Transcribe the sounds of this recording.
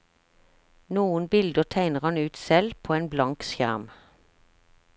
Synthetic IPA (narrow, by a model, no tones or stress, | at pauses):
nuːənbɪld̪əʁt̪ʰæɪnəʁɑnʉːt̪sɛlpʰoːeːnblɑŋksjæ̰ʁm